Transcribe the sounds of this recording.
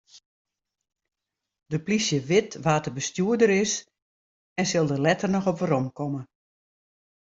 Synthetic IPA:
dəplisjəʋɪtʋaːtəbəstjuədəɾɪs | ɛnsɪlˠdəlɛtərnɔxɔpʋəɾɔmkʰɔmə

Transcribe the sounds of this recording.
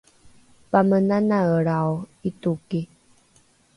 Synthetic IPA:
pamənanaəɭawituki

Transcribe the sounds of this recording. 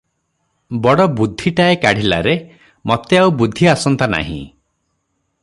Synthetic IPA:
bɔɽɔbud̪ʱːiʈaekaɽ̤ila̰ɾe | mɔt̪eaubud̪ʱːiasɔnt̪ana̰ɦḭ̃

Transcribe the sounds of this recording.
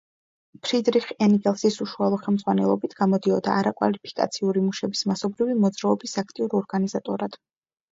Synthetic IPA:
pʰɾid̪ɾiχɛniɡʼɛlˠsisuʃualˠɔχɛlˠmd̪zʁwanɛlˠɔbit̪ʰɡ̥amɔd̪iɔd̪a̰ːɾakʼwa̰lipʰi̥kʼa̰t̪sʰiuɾimuʃɛbismasɔbɾivimɔd̪zɾaɔbisakʰt̪ʼiuɾɔɾɡanizat̪ʼɔɾad̪̥

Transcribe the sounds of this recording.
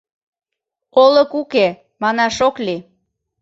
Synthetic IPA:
oləkuke | mɑnɑʃokli

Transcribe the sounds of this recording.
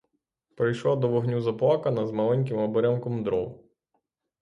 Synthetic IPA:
pɾɪjʃlˠad̪ɔʋɔɦnʲuzɐplˠakɐnɐzmɐlˠɛnʲk̬ɪmɔbɔɾʲankɔmd̪ɾɔw

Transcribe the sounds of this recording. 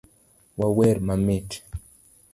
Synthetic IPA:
wawɛɾmamet

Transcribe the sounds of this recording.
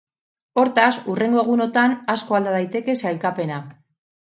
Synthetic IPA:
o̞ɾt̪asure̞ŋɡoɣ̞uno̞t̪anasko̞ald̪aðajt̪e̞ke̞sajlkape̞na

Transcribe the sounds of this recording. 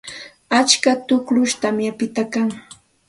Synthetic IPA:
at͡ʃkat̪ʊklʊʃt̪amjapɪt̪akaŋ

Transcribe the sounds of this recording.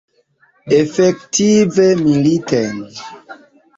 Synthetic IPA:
efektivemiliten

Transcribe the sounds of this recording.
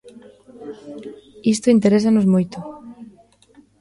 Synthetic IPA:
ist̪oint̪eɾes̬anosmojt̪o

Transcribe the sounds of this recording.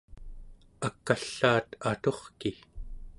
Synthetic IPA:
akːaɬːaːt̪at̪o̞χki

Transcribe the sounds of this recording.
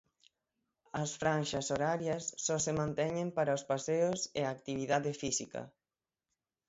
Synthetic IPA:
ɐsfɾanʃɐsoɾaɾjɐsːɔsemãnt̪ɛɲẽmpaɾɐospaseʊsḛaːkt̪iβ̞iðaðefisikɐ̰

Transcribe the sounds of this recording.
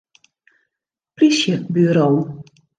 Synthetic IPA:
plisjəbyɾoːn

